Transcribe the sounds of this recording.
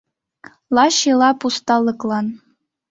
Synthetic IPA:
lˠɑɕelˠɑpust̪ɑlˠːɤ̆klˠɑn

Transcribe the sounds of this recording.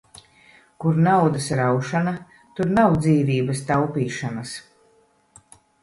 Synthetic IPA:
kuɾnawd̪ɐsɾawʃana | t̪uɾnawd̪ziːviːbɐst̪awpiːʃanɐs

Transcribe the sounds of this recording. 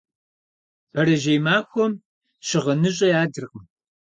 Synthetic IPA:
b̥ʰɐɾɐʒejmaːxʷɔm | ɕɪʁɐnɨɕʼɐjaːdɨrqəm

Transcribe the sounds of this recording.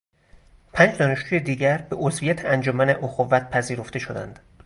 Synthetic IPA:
pʰænd͡ʒd̪ɒːneʃd͡ʒuːjed̪iːɟæɾbe̞ʔozvijæt̪ʰeænd͡ʒomæne̞ʔoxovːæt̪̚pʰæziːɾo̞ft̪e̞ʃo̞d̪æ̰nd̪̥

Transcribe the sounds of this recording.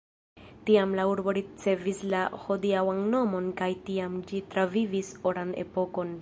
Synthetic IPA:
tiamlauɾbo̞ɾit͡se̞vislaho̞diawanno̞mo̞nkajtiamd͡ʒitɾavivisoɾane̞̰po̞ko̞n

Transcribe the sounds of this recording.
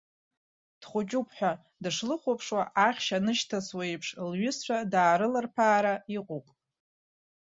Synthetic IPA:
d̥χʷʊt͡ʃʼupʰħʷᶣa | dɨʂlɨχʷopʰʂwaʔaχʲʃanɨʃtʰaswajpʰʂlɥʏst͡ɕʷʰᶣadaːɾɨlarpʰaːɾaiqʷʼupʼ

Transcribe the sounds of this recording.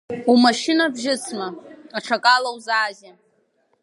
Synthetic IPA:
umaʃɪnabʒɪt͡sʰmaaʈ͡ʂʰakʼalawzaːzʲɪ

